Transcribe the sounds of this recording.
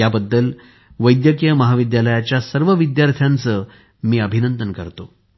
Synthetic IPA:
jabəd̪ːəl | ʋəjd̪jəkjəməɦaʋid̪jaləjat͡ɕjasəɾʋəʋid̪jaɾt̪ʰjant͡sə | miːəbʱinənd̪ənkəɾt̪o

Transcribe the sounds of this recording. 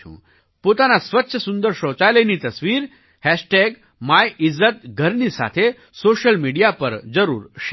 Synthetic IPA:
ṵ̃ː | pot̪anasʋətːɕʰəsund̪əɾɕõːt͡ʃajləjnit̪əsʋiːɾ | hɛɕʈeɡ | majʔizːət̪̚ɡʱəɾnisa̰t̪ʰe | soɕəlmiɽijapəɾd͡zəɾṵːɾɕ

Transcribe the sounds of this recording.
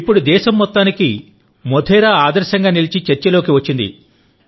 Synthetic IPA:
ipːuɽud̪ɛːʃɐmːɔt̪ːaːniki | mɔd̪ʰɛːɾaːaːd̪ɐɾʃɐŋɡaːnilit͡ʃit͡ʃɐɾt͡ʃɐlo̞ːkiʋɐt͡ʃːind̪ḭ

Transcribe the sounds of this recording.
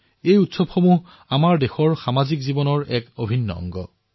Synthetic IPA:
ejutsɔbxomu | amaɹdexɔɹxamazikzibɔnɔɹɛkobʱinːɔ̰ɔ̰ŋɡɔ̰

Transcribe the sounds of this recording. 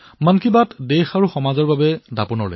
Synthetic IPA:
mankibatdɛxaɹuxɔmazɔɹbabɛdapunɔɹlo̰j

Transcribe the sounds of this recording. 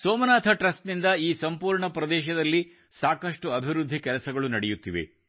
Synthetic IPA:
soːmɐnaːt̪ʰɐʈɾɐsʈnind̪ɐiːsɐmpuːɾɳɐpɾɐd̪ɛːʃɐd̪ɐlːi | saːkɐʂʈuɐbʱiɾud̪ʱːikɛlɐsɐɡɐɭunɐɽɛjut̪ːiʋḛ

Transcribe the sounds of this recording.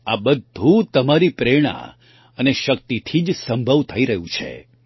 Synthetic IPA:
a̰bəd̪ʱũt̪əmaɾipɾeɽ̃ã̰ | əneʃəkt̪it̪ʰid͡ʒsə̃mbʱəʋt̪ʰəiɾəɦũt͡ʃʰḛ

